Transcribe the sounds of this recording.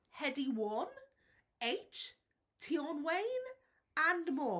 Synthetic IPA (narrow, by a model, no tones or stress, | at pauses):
hɛdiwɔn | ejt͡ʃ | tʰiɔnwejn | andmɔː